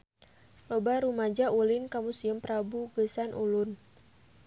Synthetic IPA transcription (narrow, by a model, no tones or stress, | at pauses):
lɔbaɾumad͡ʒaʔulinkamusiəmpɾabuɡəsanʔulʊn